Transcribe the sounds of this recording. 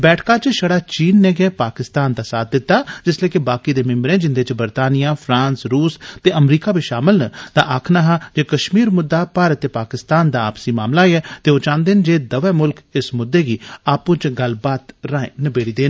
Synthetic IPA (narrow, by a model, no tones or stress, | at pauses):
bɛːʈʰkaːt͡ʃʃəɽaːt͡ʃiːnːeːɡɛːpaːkɪst̪aːnd̪aːsaːt̪̚ʰd̪ɪt̪ːaːd͡ʒɪsleːkɪbaːkiːd̪eːmɪmɾẽːd͡ʒɪnd̪eːt͡ʃbəɾt̪aːnijãːpʰɾãːnsɾuːst̪eːʔəmɾiːkaːbiːʃaːmɪlnət̪ã̰ːʔaːkʰnaːɦaːd͡ʒeːkəʃmiːɾmʊd̪ːaːpaːɾət̪ːeːpaːkɪst̪aːnd̪aːaːpsiːmaːmlaːɛːt̪eːoːt͡ʃãːnd̪eːnd͡ʒeːd̪əʋɛːmʊlkɪsmʊd̪ːeːɡiːaːpũːt͡ʃɡəlbaːt̪ɾãːḛ̃ːnəbeːɽiːd̪eːn